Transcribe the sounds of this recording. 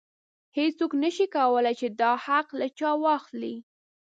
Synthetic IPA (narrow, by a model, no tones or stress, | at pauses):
het͡soknəʃikawəlajt͡ʃed̪ɑhaqlat͡ʃɑwɑxli